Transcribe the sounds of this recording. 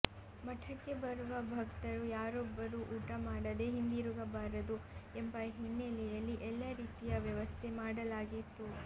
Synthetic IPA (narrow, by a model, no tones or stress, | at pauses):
mɐʈʰɐkːe̞bɐɾuʋɐbʱɐkt̪ɐɾujaːɾobːɐɾuʔuːʈɐmaːɽɐd̪e̞ɦind̪iɾuɡɐbaːɾɐd̪uɛmbɐɦinːelɛjɐlːiʔɛlːɐɾiːt̪ijɐʋjɐʋɐst̪ʰe̞maːɽɐlaːɡit̪ːu